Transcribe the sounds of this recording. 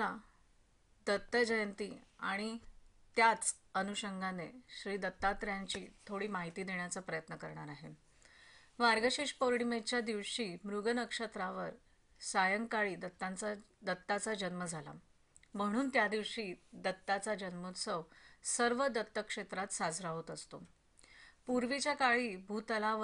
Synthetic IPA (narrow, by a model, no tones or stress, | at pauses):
a | d̪ət̪ːəd͡ʑəjənt̪iːa̰ɽ̃it̪jat͡sənuɕəŋɡʱaneɕɾiːd̪ət̪ːat̪ɾjaɲt͡ɕiːt̪ʰoɽiːmaɦit̪iːd̪eɳ̃jat͡səpɾəjət̪nəkəɾɳaɾaɦe | ʋaɾɡəɕeʂpoɾɽimet͡ɕjad̪iʋɕiːmɾuɡənəkʂət̪ɾaʋəɾ | sajəŋkaɭiːd̪ət̪ːat͡sa | d̪ət̪ːat͡sad͡ʑənməd͡zʱala̰ | m̤əɽ̃uːnt̪jad̪iʋɕiːd̪ət̪ːat͡sad͡ʑənmut̪səʋsəɾʋəd̪ət̪ːəkʂet̪ɾat̪sad͡zɾaɦot̪əst̪o̰ | puɾʋit͡ɕjakaɭiːbʱuːt̪əlaʋ